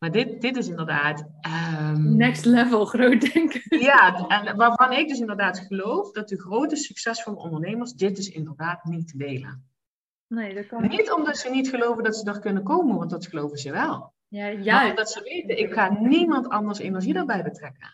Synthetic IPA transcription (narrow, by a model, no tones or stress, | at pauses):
maːdɪtd̥ɪtɪs̬ɪndərdaːt | ənɛkstlɛvəlˠχrowdɛŋkjaɛnʋaːɹvɑnɪɡ̚dɵs̬ɪndərdaːtxəlowfdɑtəxrowtəsyksɛsfʊːɹdəɔ̰ndərnejməɹsdɪt̚dɪsɪ̰ndərdaːtnitədejlə̰n | nenitɔmdɑtsənitxəlowvəndɑtsədərkɵnəkowmənʋɑntdɑtxəlowvəzəʋɛlˠ | adɑtsəʋejtənɪkxaːnimɑntɑndəɹsɪ̰nəsidəɹbɛjbətrɛkə̰